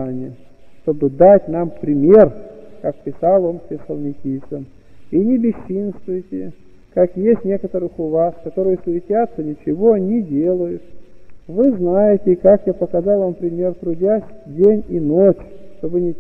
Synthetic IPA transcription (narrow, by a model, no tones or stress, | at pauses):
nʲɪə | ʂt̪o̞bɨd̪atʲnampɾʲɪmʲe̞rkak̚pʲɪsalˠonsʲɪsəlˠnʲɪkʲisən | inʲɪbʲɪɕːinst̪vʊjɪtʲɪ | kakjesʲtʲnʲe̞kət̪əɾɨxʊvaskɐt̪o̞ɾɨjəsvʲɪtʲat̪sənʲɪt͡ɕɪvo̞nʲɪdʲelˠəjʊt̪vɨznajɪtʲɪːkakjapəkɐzɑlˠvampɾʲɪmʲe̞rt̪ɾʊdʲasʲdʲenʲinot͡ɕ | ʂt̪o̞bɨnʲɪ